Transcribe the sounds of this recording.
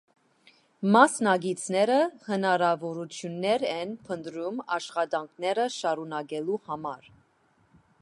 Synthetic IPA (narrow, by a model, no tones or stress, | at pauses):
mɑsnɑɡit͡sʰnɛɾəhənɑɾɑvɔɾut͡sʰjunːɛɾɛnpʰənd̪ɾumɑʃχɑd̪ɑŋkʰnɛɾəʃɑɾunɑɡɛluhɑmɑɾ